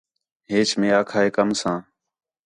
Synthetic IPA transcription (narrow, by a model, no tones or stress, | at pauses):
ɦeːt͡ʃmẽːaːkʰaːeːkəmsãː